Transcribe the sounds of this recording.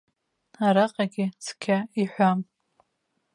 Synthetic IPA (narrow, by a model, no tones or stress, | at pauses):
aɾaqʼaɡʲɪt͡sʰkʲʰaiħʷam